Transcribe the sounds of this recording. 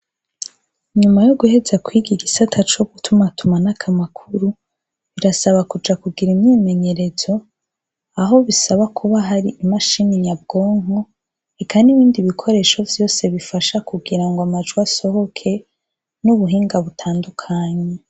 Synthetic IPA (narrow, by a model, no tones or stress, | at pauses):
ɲumajoɡuhe̞zakwiɡiɡisatʰat͡ʃoɡ̥utʰumatumanakʰamakʰuɾu | βiɾasaβakud͡ʒakuɡiɾimɲime̞ɲe̞ɾe̞zo̞ | aɦo̞βisaβakʰuβaɦaɾiʔːmaʃiniɲab̚ɡo̞ːŋhu | ekʰaniβiːndiβikʰo̞ɾe̞ʃo̞vjo̞ːse̞βifaʃakuɡiɾaŋɡwamad͡ʒɡuaso̞ho̞kʰe̞ | nuβuɦiːŋɡaβutʰaːndukʰaɲe